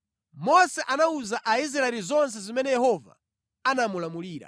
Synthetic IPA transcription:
mɔsɛʔanauzaʔais̬ɾaɛlizɔnsɛzimɛnɛjɛhɔva̰ | anamulamuliːɾa̰

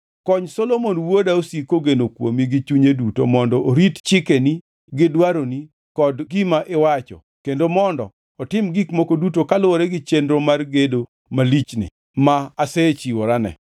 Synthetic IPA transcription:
kɔɲsolomonwodaosikoɡenokwo̰miɡɪt͡ʃuɲeduto̰mɔndɔʔoɾitt͡ʃɪkeni | ɡɪdwaɾoni | kɔdɡimaʔewat͡ʃɔ̰ | kendomɔndɔ | ɔtɪmɡikmokodutokalʊɾɛɡɪt͡ʃendɾomarɡedo | malit͡ʃnɪ̰ | maːset͡ʃiwoɾanɛ̰

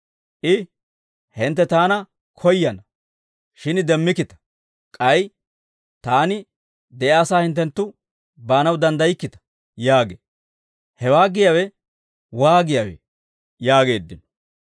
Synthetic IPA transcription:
ʔɪ | hɪnt̪ːɛt̪aːnɐ | kʰɔjːɐnɐ | ʃɪnd̪ɛmːɪkːɪt̪ɐ̥ | kʼɐj | t̪aːnɪ | d̪ɛʔɐːsaːhɪnt̪ːɛnt̪ːʊ | baːnɐwd̪ɐnd̪ɐjɪkːɪt̪ɐ̥ | jaːɡe | hɛwaːɡɪjawɛ | waːɡɪjawɛ̰ | jaːɡe̞ːd̪ːɪnɔ

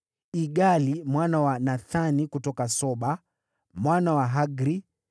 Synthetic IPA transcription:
iɡalimwanawanaθanikutɔkasɔɓa | mwanawaɦaɡɾi

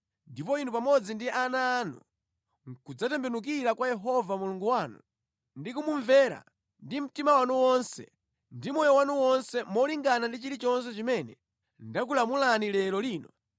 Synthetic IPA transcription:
ndipɔinupamɔd͡zindiʔanaːnṵ | kud͡zatɛmbɛnuk̬iɾakwajɛɦɔvamuluŋɡuwaːnṵ | ndikumuɱvɛːɾa̰ | ndim̩timawanuwɔnsɛ̰ | ndimɔjɔwanuwɔnsɛmɔliŋɡanandit͡ʃiɾit͡ʃɔns̬ɛt͡ʃimɛnɛ | ndak̬ulamulanilɛɾɔliːnɔ

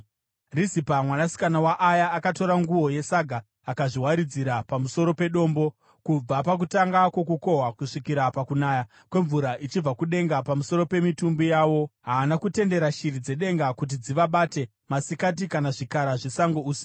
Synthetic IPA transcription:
risipamwanasi̥kanawaʔːjaːkato̞ɾaŋɡuwo̞je̞saɡʱaː | kaʐiwaɾid͡ziɾapamuso̞ɾo̞pe̞ɗo̞ːmbo̞ | kub͡vapakutaŋɡakwo̞kuko̞ɦwakuʂikiɾapakunaːja | kwe̞ɱvuɾaʔit͡ʃib͡vakuɗe̞ŋɡapamuso̞ɾo̞pe̞mitumbijaːwo̞ɦaːnakute̞nde̞ɾaʃirid͡ze̞ɗe̞ŋɡakut̬id͡ziʋaɓate̞ | masikat̬ikanaʐikaɾaʐisaŋɡouːsi̥

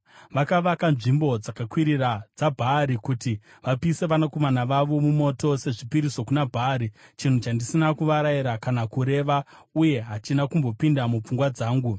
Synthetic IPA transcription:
ʋakaʋakanʐimbo̞d͡zakakwiɾirad͡zabʱaɾikuti | ʋapiːse̞ʋanakomanaʋaʋo̞mumo̞to̞se̞ʐipiɾiso̞kunabʱaːɾit͡ʃin̤ut͡ʃandisinakuʋaɾaiɾakanakuɾe̞ʋauje̞ɦat͡ʃinakumbo̞pindamup͡fuŋɡwad͡zaːŋɡu

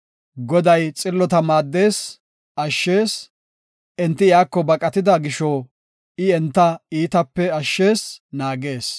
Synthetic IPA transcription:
ɡɔd̪ɐjt͡sʼɪlːɔt̪ɐmaːd̪ːe̞ːs | ɐʃːe̞ːs | ʔɛnt̪ːɪjaːkːɔbɐkʼɐt̪ɪd̪ɐɡɪʃɔ | ɪɛnt̪ːɐiːt̪ɐpːɛɐʃːeːsnaːɡe̞ːs

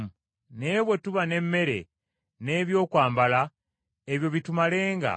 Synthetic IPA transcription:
ne̞ːβwe̞tuβane̞mːe̞ɾe̞̰ | ne̞ːβjo̞ːkwaːmbala | eβjo̞βitumale̞ːŋɡa̰

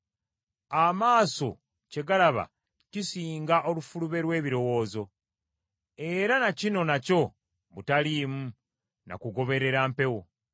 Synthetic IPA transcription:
amaːso̞ | ce̞ɡalaβa̰ | cisiːŋɡaʔo̞lufuluβe̞ɾwe̞ːβiɾo̞wo̞ːzo̞ | e̞ɾanacino̞naco̞ | βutaliːmu | na̰kuɡo̞βe̞ɾe̞ɾaːmpe̞wo̞

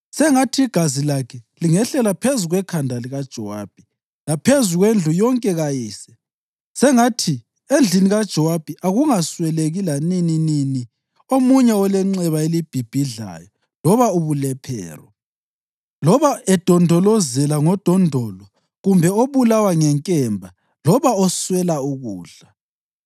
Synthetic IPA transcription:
sɛŋatʰiːɡ̥ʱazilakʰɛliŋɛɬɛlapʰezuɣwɛkʰandʱaliɣad̥ʒ̥ʱɔwa̰b̥ʱi | lapʰezuɣwend͡ɮʱujɔŋkʼɛɣajiːsɛ̥ | sɛŋatʰi | end͡ɮʱiniɣad̥ʒ̥ʱɔwab̥ʱiʔaɣuŋaswɛleɣilanininini | omuɲɛɔlɛŋ͡ǀɛβaelib̥ʱib̥ʱiɮa̰jɔ | lɔβauβulɛpʰɛ̰ːrɔ | lɔβaɛd̥ʱɔndʱɔlɔzɛlaŋɔd̥ʱɔndʱɔlɔ | ɣumbʱɛɔoβulawaŋɛŋkʼɛmbʱa | lɔβaɔswɛlauɣuːɮa

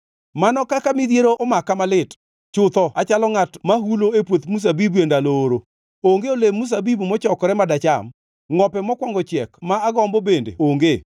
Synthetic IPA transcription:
manɔkakamid̪jeɾoʔɔmakamalɪt | t͡ʃʊt̪ɔat͡ʃalɔŋatmaɦuloepwot̪mus̬abibuendaloːɾo | oŋɡeolemːus̬abibumɔt͡ʃɔkɔɾɛmadat͡ʃam | ŋɔpɛmɔkwɔŋɡɔt͡ʃjɛkmaːɡɔmbɔbendḛoŋɡe

